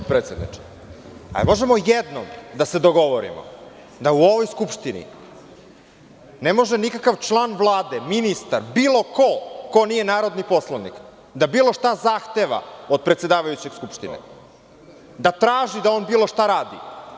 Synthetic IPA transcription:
t̪pɾet̪ed̪nḭt͡ʂe̥ | a̰lḭmo̞ʒemo̞jed̪no̰md̪ase̞d̪o̞ɡo̞ʋoɾḭmo̰ | d̪auo̞ʋojskupʂt̪inḭ | nemo̞ʒenikakaʋt͡ʃlˠaːnʋvlˠaːd̪eminist̪aɾbiːlˠo̞ko̞ko̞nije̞naːɾo̞d̪nipo̞slˠaʋnḭk | d̪abiːlo̞ʃt̪azaxt̪e̞ʋa̰od̪̚pɾet̪se̞d̪aːʋajut͡ɕeɡ̥skupʂt̪inḛ | d̪at̪ɾaːʒid̪aoːnbiːlˠo̞ʃt̪aɾaːd̪ḭ

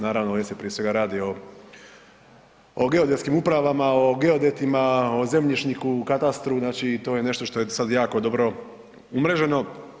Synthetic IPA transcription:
naːɾaʋnojest̪epɾijesʋe̞ɡaɾaːd̪io̞ | oɡe̞od̪et̪kimupɾaʋamaoɡe̞od̪et̪imaoze̞mʎiʃnikukat̪ast̪ɾuznaːt͡ʃit̪o̞ːje̞ne̞ʃt̪o̞ʃt̪o̞jesad̪jaːko̞d̪o̞bɾo̞ | umɾeʒe̞no̞

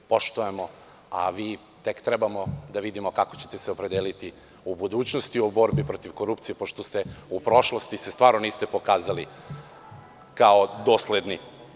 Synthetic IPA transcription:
po̞ʃt̪oemo̞ | a̰ʋiː | t̪e̞kt̪ɾebamo̞d̪aʋid̪imo̞kakot͡ɕet̪eseopɾed̪eːlit̪i | ubud̪uːt͡ɕnost̪iobo̞ɾbipɾo̞t̪iʋko̞ɾupt̪sije̞po̞ʃt̪ost̪eupɾo̞ʃlˠost̪isest̪ʋaːɾnoniːst̪e̞pokaːzali | kaod̪o̞ːsled̪ni

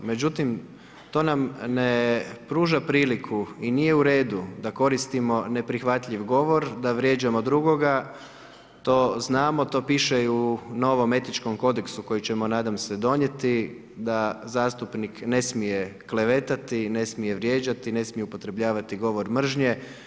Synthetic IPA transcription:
me̞d͡ʑut̪im | t̪o̞ːnamnepɾuːʒapɾiːlikʰuinije̞uɾe̞ːd̪ud̪ako̞ɾist̪imo̞ne̞pɾixʋat̪ʎiʋɡo̞ʋo̞ɾd̪aʋɾʲje̞d͡ʑamo̞d̪ɾuɡo̞ɡa | t̪o̞ːznaːmo̞t̪o̞ːpiːʃeiuno̞ʋo̞me̞t̪it͡ʃko̞mko̞d̪e̞ksuko̞jit͡ɕe̞mo̞naːd̪amse̞d̪o̞ɲe̞t̪i | d̪azaːst̪upnikne̞smije̞kle̞ʋe̞t̪at̪ine̞smije̞ʋɾje̞ːd͡ʒat̪ine̞smije̞upo̞t̪ɾe̞bʎaːʋat̪iɡo̞ʋo̞ɾmr̩ʒɲe̞

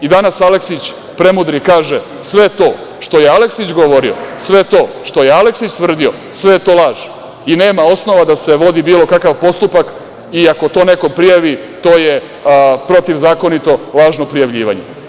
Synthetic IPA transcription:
id̪anasaleksit͡ɕ | pɾe̞mud̪ɾikaːʒe | sʋe̞t̪o̞ː | ʃt̪ojeale̞ksit͡ɕɡoʋo̞ɾio̰sʋe̞t̪o̞ː | ʃt̪o̞jealeksit͡ɕt̪ʋr̩d̪io̞ | sʋe̞jet̪olˠaːʒ | ine̞ːmao̞sno̞ʋad̪ase̞ʋo̞d̪ibiːlˠo̞kakaʋpo̞st̪upak | iako̞t̪o̞ːne̞ko̞pɾijaʋi | t̪o̞ːje | pɾo̞t̪iʋzaːko̞nit̪o̞lˠaːʒnopɾijaʋʎḭːʋa̰ɲḛ

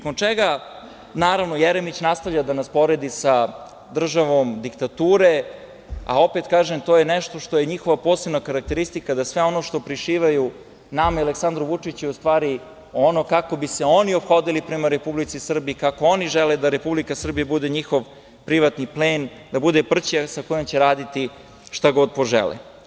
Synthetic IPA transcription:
nakont͡ʃɛɡa | naːɾaʋno̞jeɾemit͡ɕnast̪avʎad̪anaspo̞ɾe̞d̪isa | d̪r̩ʒaʋomd̪ikt̪at̪uːɾe | a̰o̞pet̪kaːʒemt̪o̞jenɛʃt̪o̞ʃt̪ojeɲixo̞ʋapo̞ːsebnakaɾak̚t̪eɾist̪ikad̪asʋe̞o̞no̞ʃt̪o̞pɾiʃiːʋaju | namaialeksand̪ɾuʋut͡ʂit͡ɕuɛust̪ʋaːɾi | ono̞kako̞biseo̞nio̞pxo̞d̪ilipɾemaɾe̞publit̪sisr̩biikako̞o̞niʒeled̪aɾepublikasr̩bijabud̪eɲixo̞ʋ | pɾiʋat̪nipleːn | d̪abud̪epr̩t͡ɕasakojomt͡ɕeɾaːd̪it̪i | ʃt̪aɡo̞d̪̚po̞ʒḛlḛ

